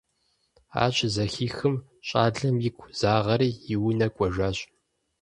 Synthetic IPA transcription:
a̰ːɕʼzɐxiːxɨm | ɕʼaːɮɐmjɪkʷʰʼz̥aːʁɐɾiːjɪwʊnɐkʷʼɔʒʷaːɕʼ

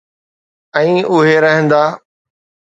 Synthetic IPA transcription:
ɛ̃ːʊɦeɾəɦə̃nd̪aː

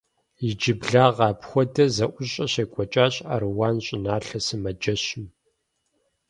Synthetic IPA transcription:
jɪd͡ʒɪbɮaːʁɑːpxʷɔdɐzɐʔʷʊɕʼɐɕeːkʷʼɔt͡ʃʼaːɕʼa̰rɨwaːnɕʼɪnaːɬɐsɨmɐd͡ʒɐɕɪm

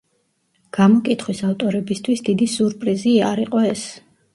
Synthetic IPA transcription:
ɡ̥amɔkʼit̪ʰχwisaft̪ʼɔɾɛbist̪ʰwisd̪id̪isuɾpʼɾiziaɾiqʼɔɛs

